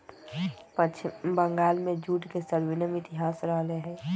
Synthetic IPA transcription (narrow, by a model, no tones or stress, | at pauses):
bəŋɡaːlmẽd͡ʒuːʈkesəɾwɪnəmɪt̪ɪɦaːsɾəɦleɦɛ̃ː